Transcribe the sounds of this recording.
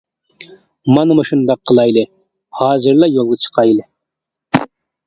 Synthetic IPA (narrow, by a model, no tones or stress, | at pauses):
mɑnɨməʃɨnd̪ɑqʰːəlˠɑjlˠɨ | hɑːzɨɾlˠɑjolˠʁət͡ʃʰə̥qʰɑjlˠɪ